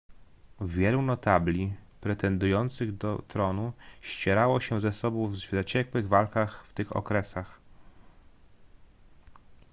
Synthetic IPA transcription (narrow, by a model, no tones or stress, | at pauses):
vʲjɛlunɔt̪ablʲipɾɛt̪ɛnd̪ujɔnt̪sɘɣd̪ɔt̪ɾɔnuɕt͡ɕɛɾawɔɕɛzɛsɔbɔ̃w̃vzat͡ɕɛkwɘɣvalkaxft̪ɘxɔ̰kɾɛsax